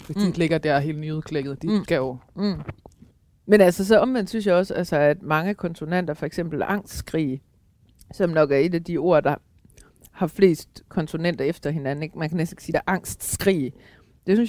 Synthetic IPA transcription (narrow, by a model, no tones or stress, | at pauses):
esd̥ile̝ɡ̥ɐd̥æɐ̰ɦe̝̰ːlnyð̩ˠkʰleɡ̥ð̞̩ˠd̥isɡ̥æjo | menælsɐs̬ɒ̽ɒ̽mʋen̰d̥synsjɑ̈ɒ̽sælsəæd̥mɑ̈ŋəkʰɒ̽nt͡sʰo̝nen̰d̥ɐfɒ̽eɡ̥semb̥l̩æʔɑ̈ŋ̰sd̥sɡ̥ʁḭː | sɒ̽mnɒ̽ɡ̥æɐe̝d̥æd̥io̝̰ɐd̥ɑ̈ | hɑ̈fle̝̰ːsd̥kʰɒ̽nt͡sʰo̝nen̰d̥ɐefd̥ɐɦe̝nænn̩eɡ̥mænkʰænesd̥n̩eɡ̥siːd̥æʔɑ̈ŋ̰sd̥sɡ̥ʁḭː | d̥e̝syns